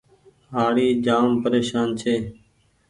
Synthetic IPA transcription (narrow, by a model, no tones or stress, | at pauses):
ɦaːɽiːd͡ʒaːmpəɾeːʃaːnt͡ʃʰeː